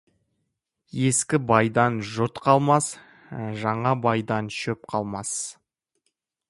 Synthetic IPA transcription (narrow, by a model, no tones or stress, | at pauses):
je̞skʲɪbɑjd̪ɑnʒʊt̪qʰɑlˠmɑs | ʒɑɴɑbɑjd̪ɑnʃɵp̚qʰɑlˠmɑs